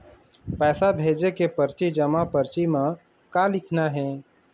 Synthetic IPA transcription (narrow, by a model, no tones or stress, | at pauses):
pɛːsabʱeːd͡ʒekepəɾt͡ʃid͡ʒəmapəɾt͡ʃimã | kalɪkʰnaɦɛ̃ː